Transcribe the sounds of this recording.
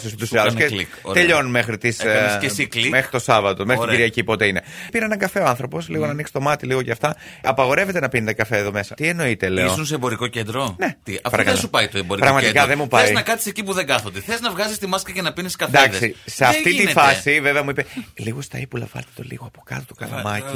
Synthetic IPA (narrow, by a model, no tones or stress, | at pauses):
sest̪usɐskelikt̪eʎo̞nme̞xɾit̪iseiklimexɾit̪o̞sɐvɐt̪omeɾt̪iɡɟiɾiʝɐcipo̞t̪e̞ine̞piɾenɐɡɐfe̞o̞ɐnθɾo̞po̞sliɣo̞nɐniksi̥t̪o̞mɐt̪iliɣo̞ceɐft̪ɐɐpɐɣo̞ɾe̞ve̞t̪e̞nɐpinet̪ekɐfeːðo̞me̞sɐt̪ie̞no̞it̪e̞lḛosuns̬eebo̞ɾikocend̪ɾonet̪iɐfɾɐksupɐjt̪oeboɾikpɾɐɣmɐt̪ikɐðemupɐzinɐkɐt̪i̥secipuðeŋɡɐθod̪eθeznɐvɣɐzist̪imɐskɐcenɐpiniskɐd̪ɐksiseɐft̪it̪ifɐsiveveɐmuipe̞liɣo̞st̪ɐipulɐ̰vɐ̰lt̪et̪o̞̰lḭɣo̞ɐpo̥kɐ̰t̪ot̪o̥kɐ̰lɐ̰mɐci